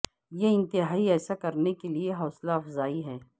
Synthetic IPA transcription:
jeɪ̃nt̪ɪɦaːiɛːsakɐɾnekelieɦɔːslaɐfzaːiɦɛː

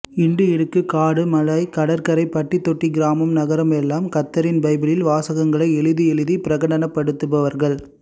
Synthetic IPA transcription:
ɪɳɖɯɪɽɯkːɯkaːɽɯmɐlɐɪkɐɽɐɾkɐɾɐɪpːɐʈːit̪ːɔʈːiɡɪɾaːmɐmnɐɣɐɾɐmɛlːaːmkɐt̪ːɐɾɪnbɐɪbɪlɪlʋaːsɐɣɐŋɡɐɭɐɪɛɭɯðɯɛɭɯðipɪɾɐɣɐɽɐnɐpːɐɽɯt̪ːɯpɐʋɐɾɣɐɭ

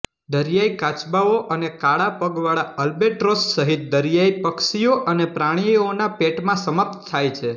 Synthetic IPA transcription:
d̪əɾijaikat͡ʃbaoʔənekaɭapəɡʋaɭaəlbeʈɾossːəɦit̪̚d̪əɾjaipəkʃijoʔənepɾaɽ̃ionapeʈmãsəməp̚t̪t̪ʰːajt͡ʃʰe

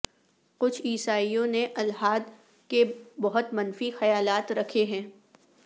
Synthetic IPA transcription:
kʊt͡ʃʰiːsaːijõneʔɐlɦaːd̪ | kebɐɦʊt̪mɐnfixɐjaːlaːt̪ɾɐkʰeɦɛ̃ː

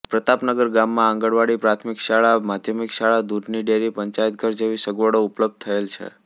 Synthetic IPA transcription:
pɾət̪apnəɡəɾɡamːãːŋɡəɽʋaɽipɾat̪ʰmɪkʃaɭamad̪ʱjəmikʃaɭad̪udniɖeɾipəɲt͡ʃajt̪̚ɡəɾd͡ʒeʋisəɡʋəɽoupləb̚d̪̚t̪ʰəelt͡ʃʰḛ

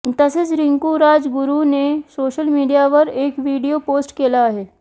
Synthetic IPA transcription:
t̪ɐsɪsɾɪ̃ŋkuɾaːd͡ʒɡʊɾunesoːʃəlmiːɖijaʋɐɾeːkʋiːɖijopoːsʈkeːlaɦɛː

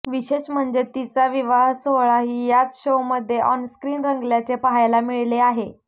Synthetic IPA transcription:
ʋiɕeɕm̤əɳd͡zet̪it͡saʋiʋaɦsoɦɭaɦiːjat͡sɕowməd̪ʱːjeʔɔnskɾiːnɾəŋɡljat͡sepaɦajlamiɭleaɦe

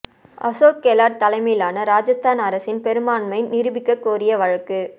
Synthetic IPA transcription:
ʔɐ̰soːkːeːlaːɾt̪ɐlɐɪmɐjɪlaːnɐɾaːd͡ʒɐst̪aːnɐɾɐsɪnpɛɾɯmaːnmɐɪnɪɾɯbɪkːɐkːoːɾɪjɐʋɐɻɐkːɯ

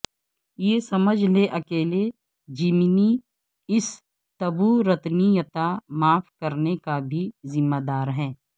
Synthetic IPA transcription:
jeːsɐməd͡ʒʱleʔɐkeːle | d͡ʒimni | ɪs | t̪ɐbuɾɐt̪nijət̪amaːfkəɾnekabʱizɪmːaːd̪aːɾɦɛ̃ː

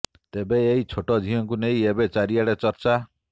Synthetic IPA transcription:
t̪ebeːɦit͡ʃʰoʈɔd͡ʒ̪ʱiɔŋkuneĩebet͡ʃaɾiaɽet͡ʃɔɾt͡ʃa

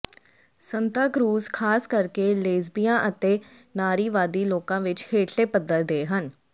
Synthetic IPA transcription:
sənt̪aːkɾuːzkʰaːskəɾkeːleːzbijãːʔət̪eː | naːɾiːʋaːd̪iːloːkãːʋɪt͡ʃheːʈʰleːpəd̪əɾd̪eːɦən

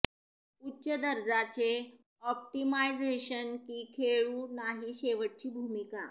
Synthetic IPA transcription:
utːɕəd̪əɾd͡zat͡ɕe | ɔp̚ʈimajd͡zeɕənkiːkʰeɭuːnaɦiɕeʋəʈ̚t͡ɕiːbʱumika

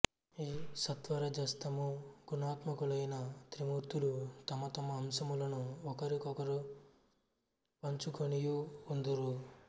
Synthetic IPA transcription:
iːsɐt̪ʋɐɾɐd͡ʒɐst̪ɐmuɡunaːt̪mɐkulɐjnɐt̪ɾimuɾt̪ulut̪ɐmɐt̪ɐmɐːmsɐmulɐnuɔkɐɾikɔkɐɾu | pɐɲt͡ʃukoɳijuːnd̪uɾu

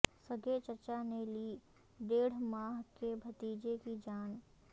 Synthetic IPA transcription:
səɡet͡ʃəɾt͡ʃaneliː | ɖeːɽ̤maːɦkebʱɐt̪iːd͡ʒekid͡ʒaːn

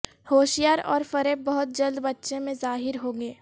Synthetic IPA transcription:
hoːʃijaːɾɔ̰ːɾfɐɾeːb̚bɐɦʊt̪̚d͡ʒɐld̪bɐtːʃẽmẽzaːɦɪɾɦoːɡeː

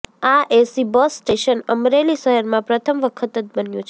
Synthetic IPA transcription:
aʔesibɔsːʈeʃənəmɾeliʃəɦəɾmãpɾət̪ʰəmʋəkʰət̪ət̪̚bənjṵ̃t͡ʃʰ

